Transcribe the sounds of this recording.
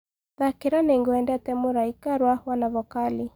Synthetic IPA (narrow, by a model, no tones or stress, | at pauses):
ðakiɾanɛŋɡuɛndɛatɛmuɾaikaɾwawanavɔkali